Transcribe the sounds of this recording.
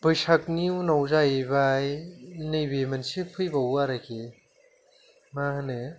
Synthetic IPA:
bɯjsak̚niwnawzajbajnɯjbemansipʰɯjbawaɾakʰi | mahɯne

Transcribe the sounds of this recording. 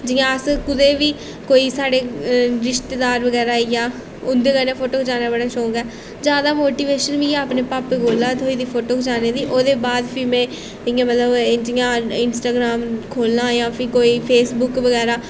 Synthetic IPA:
d͡ʒɪjãːəskʊd̪eːʋiː | koːiːsaːɽeːɾɪʃt̪eːd̪aːɾʋəɡɛːɾaːijãː | ʊnd̪eːɡɛːnẽːpʰoːʈoːkd͡ʒaːnaːbəɽaːʃoːɡɛː | d͡ʒjaːd̪aːmoːʈiːʋeːʃənʋĩːaːpneːpaːpːeɡoːlːaːt̪ʰoːiːd̪iːpʰoːʈoːkd͡ʒaːneːd̪iːʔoːd̪eːbaːd̪pʰiːmɛ̃ː | ɪjãːmət̪ləbd͡ʒɪjãːɪnsʈaːɡɾaːmkʰoːlnãːjãːpʰiːkoːiːpʰeːsbʊkʋəɡɛːɾaː

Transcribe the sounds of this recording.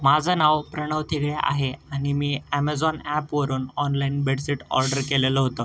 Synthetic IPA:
mad͡zʱənaʋpɾəɽ̃əʋt̪ʰikɭjaʔa̰ɦeaɽ̃imiːæmad͡zɔnæpʋəɾuːnɔnlainbeɽsiʈɔ̰ɾɖəɾkeleləɦot̪ə

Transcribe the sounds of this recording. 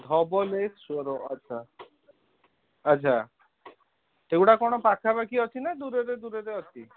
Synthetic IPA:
d̪ʱɔbolessoɾoa̰ːʃʰa | t͡ʃʰa | ewʈakoɽ̃opakʰabakiɔt̪ʰinad̪uɾeɾed̪uɾeɾeɦɔt̪i

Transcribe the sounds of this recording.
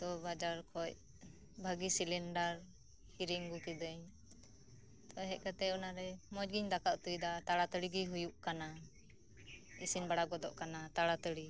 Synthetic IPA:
d̪ɔbad͡ʒaɾkʰɔc̚ | bʱaɡisilɛɳɖaɾ | hiɾiŋɡukid̪əɲ | t̪ɔɦɛʔ̚kat̪ɛɔnaɾɛmɔd͡ʒɡiɲd̪akaʔt̪ujd̪at̪aɽat̪əɽiɡiɦujuʔkana | isinbaɽaɡɔd̪ɔʔkanat̪aɽat̪əɽi

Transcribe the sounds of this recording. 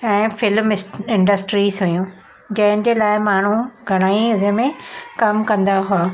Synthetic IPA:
ɛ̃ːfɪlmɪsɪ̃ɳɖəsʈɾizɦʊjũː | d͡ʑɐ̃ɦɪ̃nd͡ʑeːlaːɪmaːɳ̤uɡʱɐɽ̃aːiʊɦɪmẽkɐmkɐ̃nd̪aɦʊaː

